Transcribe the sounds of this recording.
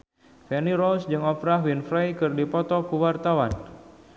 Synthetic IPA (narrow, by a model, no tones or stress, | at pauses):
fɛniɾɔlsd͡ʒɨŋɔfɾahwinfɾajkɨrdipɔt̪ɔkuwart̪awan